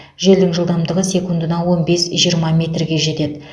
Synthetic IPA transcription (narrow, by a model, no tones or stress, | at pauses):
ʒe̞ld̪ɪŋʒəlˠd̪ɑmd̪əʁəse̞kund̪ənɑwo̞nbe̞sʒijəɾmɑmʲe̞t̪rɡʲe̞ʒe̞t̪e̞d̪ɪ